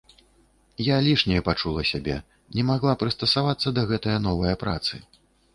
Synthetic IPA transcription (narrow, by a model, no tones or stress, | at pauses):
jalʲiʂnʲɛjɛpat͡ʂulˠɐsʲabʲɛ̰ | nʲɛmaɣlˠapɾɨst̪ɐsavat̪sːɐd̪ɐɣɛt̪ɐjɐnɔvɐjɐpɾa̰t̪sɨ